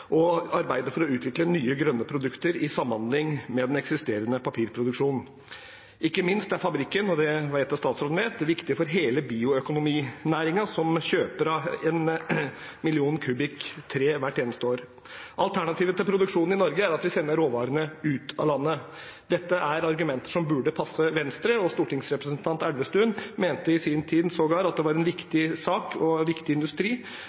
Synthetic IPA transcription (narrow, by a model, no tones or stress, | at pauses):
ʔɔɑɾbæɪd̪əfɔɾɔʉːt̪ʰʋɪklənyːəɡɾœnːəpʰɾʊd̪ʉkt̪əɾɪsɑmːɑnd̪lɪŋmɛd̪ɛnɛksɪst̪eːɾənəpɑpʰiːɾpʰɾʊd̪ʉkʂuːnn̩ | ʔɪkːəmɪnst̪d̪ɛæɾfɑbɾɪkːənɔd̪ɛʋɑæt̪ːɑst̪ɑːt̪sɾɔːd̪n̩ʋeːt̪̚d̪ɛʋɪkt̪ɪəfɔɾɦeːləbiːʊœkʊnʊmiːnæːɾɪŋɑsɔmɕøːpəɾɑɛn | mɪlɪuːnkʰʉbɪkt̪ʰɾeːʋæʈːeːnəst̪əoːɾ | ʔɑlt̪ʰæɳɑt̪ʰiːʋət̪ɪlpʰɾʊd̪ʉkʂuːnn̩ɪnɔɾɡəæɾɑt̪ʋɪsɛnːəɾoːʋɑːɾənəʉːt̪ʰɑ̰lɑnːə | d̪ɛt̪ːəʔæɾɑɾɡʉmɛnt̪ə̥ʂɔmbʉɖəpʰɑsːəʋɛnst̪ɾəɔst̪uːʈɪŋsɾɛpɾəsənt̪ʰɑnt̪æɽʋəst̪ʉːnmeːnt̪əɪsiːnt̪ʰiːd̪nsoːɡɑːɾɑt̪̚d̪ɛʋɑɾɛnʋɪkt̪ɪsɑːkɔʋɪkt̪ɪɪnd̪ʉst̪ɾiː